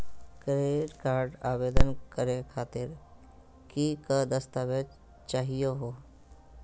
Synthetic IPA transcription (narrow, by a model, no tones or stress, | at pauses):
kɾeːʈkaːɾɖaːʋeːd̪ənkəɾekʰaːt̪ɪɾ | kikəd̪əst̪aːʋe | t͡ʃaːɦijoɦoː